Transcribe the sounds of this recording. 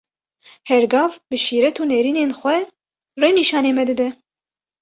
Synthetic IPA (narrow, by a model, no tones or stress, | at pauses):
hɛɾɡɑːvbɨʃiːɾɛt̪ʰuːnɛɾiːneːnxʷɛ | rejniːʃɑːneːmɛd̪ɨd̪ɛ